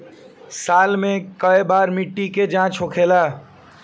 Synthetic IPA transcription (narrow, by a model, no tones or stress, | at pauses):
salmekəebaɾmiʈːiked͡ʒãt͡ʃokʰela